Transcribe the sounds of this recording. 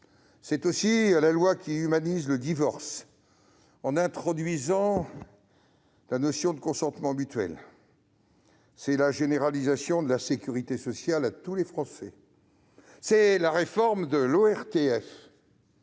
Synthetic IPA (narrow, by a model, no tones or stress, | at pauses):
sɛt̪osilalwakʲiymanizləd̪ivɔʁs | ɑ̃nɛ̃t̪χɔd̪ɥizɑ̃ | lanɔsjɔ̃d̪əkɔ̃sɑ̃t̪mɑ̃myt̪ɥɛ̰l | sɛlaʒeneʁalizasjɔ̃d̪əlasekʲyʁit̪esɔsjalat̪ulefχɑ̃sɛ | sɛlaʁefɔʁmd̪əloɛʁt̪eɛf